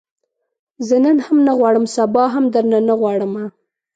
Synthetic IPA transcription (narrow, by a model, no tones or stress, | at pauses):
zənənhamnaɣwɑɽəmsabɑɦamd̪əɾnanaɣwɑɽəma